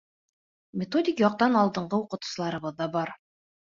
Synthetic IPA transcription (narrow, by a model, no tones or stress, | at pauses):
mʲɪt̪o̞dʲɪkjɒq̚t̪ɑnɑlˠd̪ɤ̆ɴɢɤuqɤ̆t̪u̥sɤ̆lˠɑɾɤ̆βɤðːɑbɑɾ